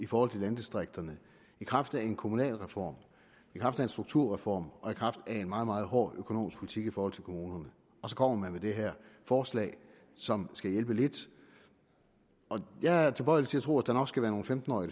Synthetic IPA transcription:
ifɒːhɒ̽l̰t͡sʰe̝lænd̥isd̥ʁeɡ̥̚d̥ɐnə | ikʰʁɑ̈fd̥æe̝nkʰo̝munɛ̰ːlʁɛfɒ̰ːm | ikʰʁɑ̈fd̥æensd̥ʁuɡ̥t͡sʰuɐ̰ʁɛfɒ̰ːmɒ̽ikʰʁɑ̈fd̥æe̝nmɑ̈ːð̞̩ˠmɑ̈ːð̞̩ˠɦɒ̰ːøkʰono̝̰ːmisɡ̥pʰo̝lit͡sʰiɡ̥ifɒːhɒl̰t͡sʰe̝lkʰo̝muːnɐnə | ɒ̽sɒ̽kʰɒ̽m̰ɐmænmed̥e̝ɦæɐ̰fɒːslɛ̰ːɪ | sɒ̽msɡ̥æjelb̥əle̝d̥ | ʔɒ̽jɑ̈t͡sʰe̝b̥ɒ̽ɪ̰lt͡sʰe̝æt͡sʰʁo̝̰ːæd̥ɑnɒ̽ɡ̥sɡ̥æʋæːɐno̝ːn̩femd̥n̩ɒ̰ːi

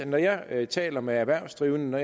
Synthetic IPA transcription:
nɒjɑ̈ɪt͡sʰɛ̰ːlɐmeæʋæɐ̰sd̥ʁiːʊnənɒj

